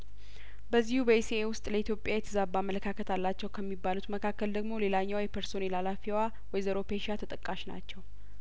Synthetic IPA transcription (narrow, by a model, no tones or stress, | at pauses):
bəzːihubəeseewʊst̪ʼləit̪jo̞pʼjajɛt̪ʰəzabːamːələkʰakʰət̪ʰalːat͡ʃːɛwkʰəmːibːalut̪məkʰakːəld̪əɡmo̞le̞laɲːawjɛpʰəɾso̞nɛlalafiwa | wɔjzəɾo̞peʃat̪ʰət̪ʼəkʼːaʃna̰t͡ʃːɛw